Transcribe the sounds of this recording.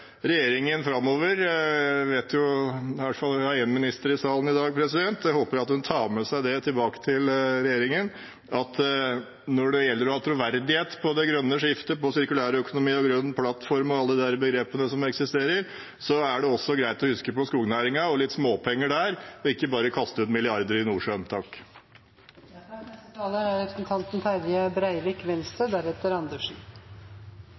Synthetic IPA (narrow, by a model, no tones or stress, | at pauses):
ɾɛjeːɾɪŋənfɾɑmːoːʋəɾʋeːt̪jʊʋæʈ̪ːfɑlæəənmɪnɪst̪əɾɪsɑːlənɪd̪ɑːɡ̚pʰɾɛsɪd̪ɛnt̪ɛhoːpəɾɑt̪hʉnt̪ʰɑːɾmɛsæɪd̪ɛt̪ʰɪlbɑːkə̥t̪ʰɪlɾɛjeːɾɪŋən | ɑt̪ | nɔɖɛjɛlːəɾɔhɑt̪ʰɾʊʋæɾd̪ɪheːt̪pʰɔd̪ɛɡɾœnːəʂɪft̪əpɔsɪɾkʉlæːɾəœkʊnʊmiːɔɡɾœnːpʰlɑt̪fɔɾmɔɑlːəd̪əd̪æɾbəɡɾeːpənəsɔmɛksɪst̪eːɾəɾ | sɔæɖɛɔsːɔɡɾæɪt̪ɔhʉskəpɔskuːɡnæːɾɪŋɑɔlɪt̪ːsmoːpʰɛŋːəɖæɾɔɪkːəbɑːɾəkʰɑst̪əʉːt̪mɪlɪɑɾd̪əɾɪnuːʂønt̪ʰɑːk | t̪ɑːləæɾɾɛpɾəsnt̪ʰɑnt̪n̩fʰæɾjəbɾæɪʋɪkʋɛnst̪ɾəd̪æɾɛt̪ːəɾɑnd̪əʂn